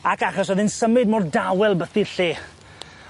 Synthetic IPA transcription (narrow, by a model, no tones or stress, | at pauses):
akaχɔs̬ɔðɪnsəmɪd̚mɔrdawɛlˠbəθiɬeː